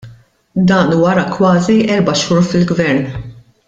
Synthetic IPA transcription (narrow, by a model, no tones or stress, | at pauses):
d̪ɐːnwɐɾɐkwɐːziʔɛɾbɐʃuːɾfɪlɡvɛɾn